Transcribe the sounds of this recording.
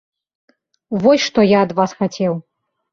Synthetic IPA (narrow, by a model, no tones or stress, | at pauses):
vɔsʲʂt̪ɔjaɐd̪vasxat͡sʲɛw